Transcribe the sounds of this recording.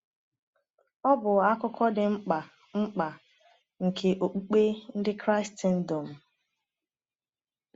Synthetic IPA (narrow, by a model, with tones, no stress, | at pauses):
ɔ˦bʊ˨a˦kʊ˦kʰɔ˦dɪ˨ŋ͡m̩˦k͡pa˨ | ŋ͡m̩˦k͡pa˨ | ŋ̩˨kʰe˨ʔo˨k͡pu˦k͡pe˦n̩˦dɪ˦kɾa˦ɪ˦sti˦n̩˦do˨m̩˨